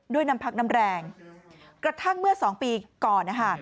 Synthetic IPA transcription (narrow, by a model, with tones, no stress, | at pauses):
du˥˩əjna˦˥mpʰa˦˥k̚na˦˥mɾɛː˧ŋ | kɾa˧t̪ʰa˥˩ŋmɯ˥˩ɐsɔː˩˦ŋpiː˧kɔː˨˩nːa˦˥kʰa˥˩